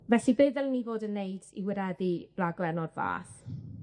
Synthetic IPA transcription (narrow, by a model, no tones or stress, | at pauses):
vɛɬibɨðɛlˠənivoːdənːeɨdḭwɪɾɛðib̥laɡlˠɛnɔrva̰ːθ